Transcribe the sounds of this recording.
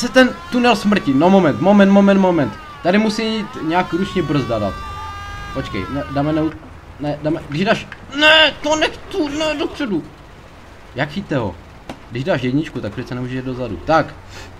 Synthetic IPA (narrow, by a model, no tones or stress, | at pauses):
sɛt̪ɛnt̪unɛlsmr̩cɪnomomɛnt̪momɛnt̪momɛnt̪momɛnt̪ːadɪmusiit̪ɲɛakɾut͡ʃɲɛbr̩zdada̰t̪pot͡ʃkɛ̰jnɛdamɛnɛu | nɛdamɛɡdɪʒdaːʃnɛt̪onɛkt̪unɛdopr̥ɛdu | jakxit̪ɛɦo̰ | ɡdɪʒdaːʃjɛɟɲɪt͡ʃkut̪ak̚prɛt͡sɛnɛmuːʒɛʃɛdozadṵt̪ak